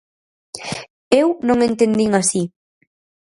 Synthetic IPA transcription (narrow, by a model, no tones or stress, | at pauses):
ewnõŋent̪end̪iŋasi